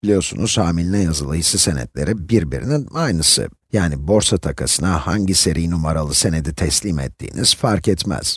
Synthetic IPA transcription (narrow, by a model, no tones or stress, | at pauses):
b̥ilʲijo̞ɾsṵnuz̥haːmilʲinɛjazɯlˠɯhisɯse̞nɛ̰t̪lʲe̞̰ɾibiɾbḭɾḭninajnɯsɯ̰ | jaːnibo̞ɾsat̪ʰakʰasɯnahaɲɟise̞ɾʔijnumaɾalˠɯse̞ned̪it̪ʰɛslʲiːmɛt̪ʰːḭːniz̥faɾkɛt̪mɛ̰z̥